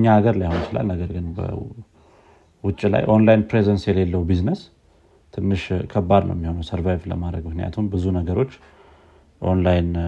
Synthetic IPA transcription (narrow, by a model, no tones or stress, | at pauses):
ɲːaːɡəɾlajahont͡ʃɪla̰lnəɡəɾɡɨnbə̰ | wʊt͡ʃʼːila̰jʔo̞nlajnpɾezənsjɛle̞lːəwbiznəs | t̪ʰɨnːɨʃkʰəbːad̪nə̰wjmːiho̞nəwsəɾvajvlə̰mad̪ɾəɡmɨknija̰t̪ʰumbɨzunəɡəɾo̞t͡ʃː | ʔo̞̰nlajn